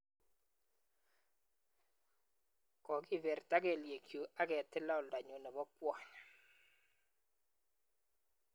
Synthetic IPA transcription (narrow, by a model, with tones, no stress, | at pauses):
kɔ˨ɡɪ˦vɛ˨rta˦ɡɛ˨lje˨kjo˨ʔa˦ɡɛ˨tɪ˦la˦ɔ˨lda˨ɲo˨nɛ˨bɔ˦pwa˨ɲa˨